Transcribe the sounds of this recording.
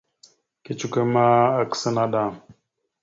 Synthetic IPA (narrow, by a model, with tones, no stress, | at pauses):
ki˦˨t͡ʃu˦ke˦ma˦a˨kə̥˨sə˦na˦ɗa˨